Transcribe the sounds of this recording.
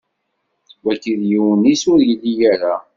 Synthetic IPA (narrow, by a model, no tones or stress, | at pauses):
wækːiðjiwənisʊɾjəlːijæɾa